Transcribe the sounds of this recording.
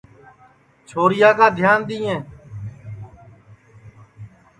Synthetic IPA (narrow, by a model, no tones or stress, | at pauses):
t͡ʃʰoːɾɪjaːkaːd̪ʱjaːnd̪iːẽː